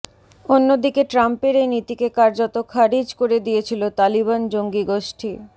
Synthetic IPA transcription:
onːod̪ikeʈɾampeɾejnit̪ikekaɾd͡ʑot̪okʰaɾid͡ʑkoɾed̪ijet͡ɕʰilot̪aliβand͡ʑoŋɡiɡoʃʈʰi

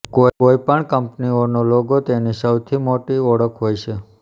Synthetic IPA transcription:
kooipəɳkəmpnionoloɡot̪enisəwt̪ʰimoʈiɔɽəkʰɦojʃe

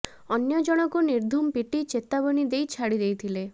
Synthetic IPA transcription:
ɔnjɔd͡ʒɔɽ̃ɔkuniɾd̪ʱumpiʈit͡ʃet̪abɔnid̪ejt͡ʃʰaɽid̪ejt̪ʰile

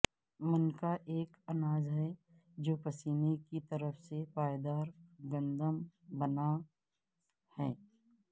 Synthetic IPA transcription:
mənkaʔeːkɐnaːzɦɛ | d͡ʒoːpɐsiːnekit̪ɐɾəfsepaːjd̪aːɾɡə̃nd̪əmbɐna | hɛː

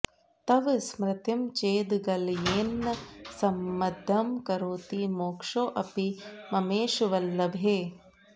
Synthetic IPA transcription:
t̪ɐʋsmɾɪt̪imt͡ʃeːd̪ɡɐljeːnːɐsɐmːɐd̪ʱːɐmkɐɾuːt̪imoːkʂoːʔɐpimɐmeːʃʋɐlːɐbʱeː

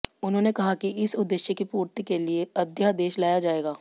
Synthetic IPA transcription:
ʊnɦõːnekɐɦakiʔɪsʊd̪ːɪʃjəkipuːɾt̪ikelieɐd̪ʱjad̪eːʃlaːjad͡ʒaːeːɡaː

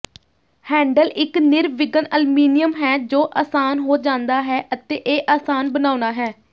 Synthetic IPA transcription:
hɛ̃ːɳɖəlɪknɪɾʋɪɡənəlmiːnɪjəmɦɛːd͡ʒoːʔaːsaːnɦoːd͡ʒãːnd̪aːɦɛːʔət̪eːʔeːʔaːsaːnbənaːnaːɦɛː

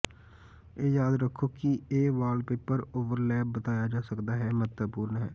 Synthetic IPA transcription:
eːjaːd̪ɾəkʰːoːkɪeːʋaːlpeːpːəɾoːʋəɾlɛːb̚ːət̪aːjaːd͡ʒaːsəkd̪aːɦɛːmət̪əpuːɾnɦɛ̰ː

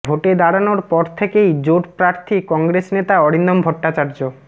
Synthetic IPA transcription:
bʱoʈed̪aɽanoɾpɔɾt̪ʰekejd͡ʑoʈpɾaɾt̪ʰikɔŋɡɾesnet̪aɔɽind̪ombʱɔʈːat͡ɕaɾd͡ʑo

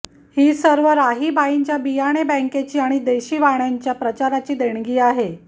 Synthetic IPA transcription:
hiːsəɾʋəɾaɦiːbʱaiɲt͡ɕjabijaɽ̃ebɛ̃ŋket͡ɕiːaɽ̃id̪eɕiːʋaɳjaɲt͡ɕjapɾət͡ɕaɾat͡ɕiːd̪eɳ̃ɡiːaɦe

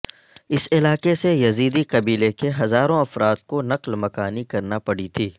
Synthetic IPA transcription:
ɪsɪlaːqesejɐziːd̪iqɐbiːlekeɦɐzaːɾõɐfɾaːt̪̚konɐqlmɐkaːnikɐɾnapɐɽ̤it̪ʰiː

